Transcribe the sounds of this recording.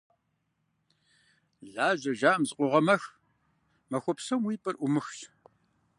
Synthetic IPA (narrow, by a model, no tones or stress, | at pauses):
ɮaːʑɐʒaːmzqʷʊʁɐmɐx | mɐxʷɔpsɐmwiːpʼɐrʔʷʊmɨxɕ